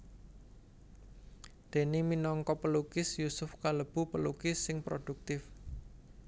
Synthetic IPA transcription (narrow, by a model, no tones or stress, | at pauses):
d̪̥e̤niminɔŋkɔpəlukɪsjusʊfkaləb̥ṳpəlukɪsːɪŋpɾod̪̥ṳk̚t̪ɪf